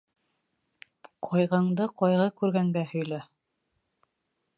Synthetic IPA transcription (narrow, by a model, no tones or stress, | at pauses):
qʰɒjʁɤɴd̪ɤqɒjʁɤkʉɾɡæŋɡæhɵ̆jlæ